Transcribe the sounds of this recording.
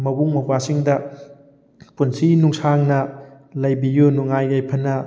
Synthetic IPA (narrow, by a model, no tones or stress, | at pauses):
mɐbuŋmɐpasiŋdɐ | punsinuŋsaŋnɐ | lɐjbijunuŋajajpʰɐnɐ